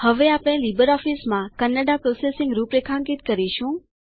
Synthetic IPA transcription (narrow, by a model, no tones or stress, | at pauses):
həʋeapɽ̃elibəɾɔfismãkənːəɖapɾosesɪŋɡɾupɾekʰãŋkit̪kəɾiʃũ